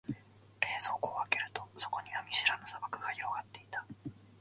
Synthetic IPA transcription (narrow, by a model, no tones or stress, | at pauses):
ɾe̞ːzo̞ːkoːake̞ɾɯ̟t̪o̞so̞̥ko̞ɲ̟iβamʲiɕiɾanosabakɯ̟ɡaçiɾo̞ɡat̪ːe̞it̪ḁ